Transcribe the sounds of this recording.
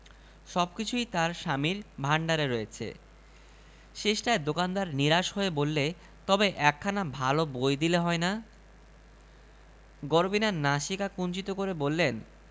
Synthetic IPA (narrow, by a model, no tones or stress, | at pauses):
ʃɔbkit͡ɕʰujt̪aɾʃamiɾbʱaɳɖaɾeɾoet͡ɕʰḛ | ʃeʃʈaed̪okand̪aɾniɾaʃɦoebolːe | t̪ɔbeʔɛkʰːanabʱalobojd̪ileɦɔena | ɡoɾbinaɾnaʃikakunt͡ɕit̪okoɾebolːen